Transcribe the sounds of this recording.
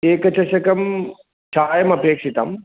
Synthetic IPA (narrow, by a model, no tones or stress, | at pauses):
eːkɐt͡ʃʰɐʃɐkɐm | t͡ʃʰaːjɐmɐpeːkʂit̪a̰m